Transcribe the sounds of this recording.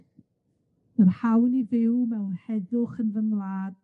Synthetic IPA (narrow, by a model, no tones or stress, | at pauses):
mərhawnivɪwmɛwnhɛðʊχənvəŋlˠaːd̥